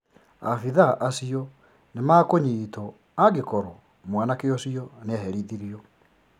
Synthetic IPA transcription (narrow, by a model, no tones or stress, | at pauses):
afiðaʔasiɔ | nemakoɲiːtɔ | aɡekɔɾɔ | mwanakeɔsiɔneaɦɛɾiðiɾiɔ